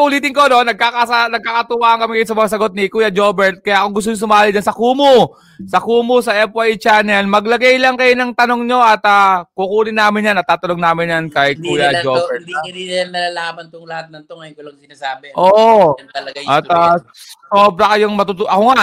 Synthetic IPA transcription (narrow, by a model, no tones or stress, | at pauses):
ʔʊliːt̪ɪŋko̞nonːɐɡ̚kakasanɐɡ̚kaːkɐt̪ʊwaːʔɐŋkɐmɪkɐjonsɐmɐŋas̬ɐɡo̞t̪nɪkuːjɐd͡ʒo̞ːbɛɹt̪̚kɐjaʔɐkoŋɡʊst̪oɲos̬ʊmaːlɪd͡ʒɐnsɐkuːmo | sɐkuːmosɐʔɛpajt͡ʃaːnɛlmɐɡlɐɡajlɐŋkɐjonɐŋt̪ɐnoŋɲo̞ʔɐt̪aːkukuːlɪnaːmɪnjanːɐt̪ːaːt̪ɐnoŋnaːmɪnjankɐjkuːjɐd͡ʒobɛɾinɐɐnːɐlaːlaːbɐnt̪oŋlɐhat̪̚nɐŋt̪oŋɐjkolɐŋsɪnaːsaːbɛʔoːʔoɐlɐɡajɐt̪a | soːbɾɐkɐjoŋmɐt̪ʊt̪ʊʔɐkoŋa